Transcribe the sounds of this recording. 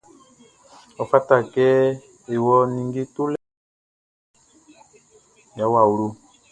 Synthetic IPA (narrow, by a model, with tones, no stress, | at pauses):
ɔ˨fa˦ta˨kɛ˦ | e˨wɔ˦ni˨ŋɡi˦tu˦l | ja˨˦wa˨u˨ɾu˦